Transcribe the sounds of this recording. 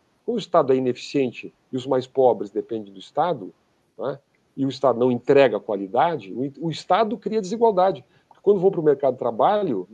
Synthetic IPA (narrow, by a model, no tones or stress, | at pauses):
kʷõd̪ʊist̪ad̪ʊɛĩnefi̥siẽnt͡ʃɪ | ɪʊzmajspɔbɾɪzd̪epẽnd̪ẽd̪ʊist̪ad̪ʊ | na | ɪʊist̪ad̪ʊnɐ̃w̃ẽt̪ɾɛɡɐkwalid̪ad͡ʒɪʊist̪ad̪ʊkɾiɐd͡ʒɪziɡwawd̪ad͡ʒɪ | pʊɾke̥kwɐ̃nd̪ʊvowpɾʊmeɾkad̪ʊɪt̪ɾabaʎʊ